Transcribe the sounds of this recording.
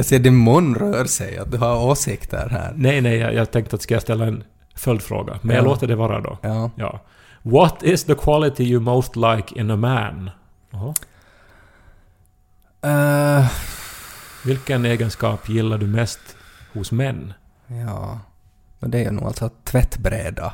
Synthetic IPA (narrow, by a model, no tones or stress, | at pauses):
jɑseːɖɪnmʊnːɾœːɾsɛja̰t̪̚d̪ʉɦaɾoːsɪkt̪ə̰ɾhæ̰ːɾnɛɪnɛɪjɑ̰jɑ̰ːt̪ʰɛŋkt̪ət̪ːskajast̪ɛlːaɛn | fœld̪fɾo̰ːɡa̰mɛnjɑloːt̪ːəɖɛvɑːɾa̰d̪ɔ̰ɑːjɑ̰ː | wɔt̪ɪsðəkʰwɑlɪt̪ɪjəmoʊst̪laɪkʰɪ̃nəmæn | hɔ | vɪlkəneːɡənskɑːpjɪlːaɖɵmɛst̪hʊsmɛnː | jɑː | ɔd̪ɛæɾjʉ̰nṵːɡa̰lt̪sɔt̪ʰvɛt̪ːbɾḛːd̪a